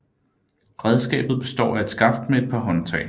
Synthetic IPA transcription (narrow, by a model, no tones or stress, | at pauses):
ʁɛð̞ˠsɡ̥ɛ̰ːb̥ð̩ˠb̥e̝sd̥ɒ̰ːæed̥sɡ̥ɑ̈fd̥meed̥̚pʰɑ̈ɦɒ̽nt͡sʰɛ̰ɪl